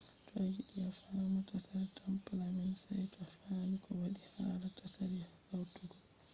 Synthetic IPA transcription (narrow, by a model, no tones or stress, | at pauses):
tʰɔajiɗiafamatasaɾɛtʰampalamɛnsajtɔafamikʰɔwaɗihaːɾatasaɾihawtuɡɔ